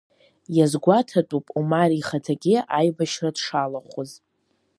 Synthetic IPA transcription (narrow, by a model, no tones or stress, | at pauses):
jazɡʷatʰatʼupʼumaɾiχatʰaɡʲɪajbaʃradʂalaχʷʊz